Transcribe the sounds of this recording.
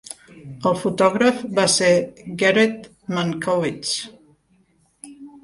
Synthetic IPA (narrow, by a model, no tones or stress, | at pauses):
əlˠfut̪ɔɣɾəfbaseɡɛɾet̪ | maŋkovit͡ʃ